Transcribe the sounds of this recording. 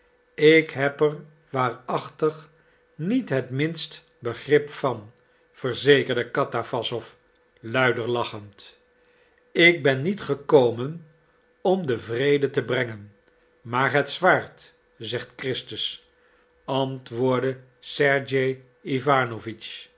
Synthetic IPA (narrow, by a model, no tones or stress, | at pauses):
ɪkɦɛpər | ʋaːrɑχtəχ | nitɦətmɪnst | bəχrɪpfɑn | v̥əɹzejkəɹdəkɑtafɑsɔf | lœɥdəɹlɑχənt | ɪk̚bɛnːitχəkowmən | ɔmdəvrejdətəbrɛŋən | maːɹɦətsʋaːɹt | zɛχtkrɪstəs | ɑntʋʊːɹdə | sɛɹd͡ʒej | ivaːnovit͡ʃ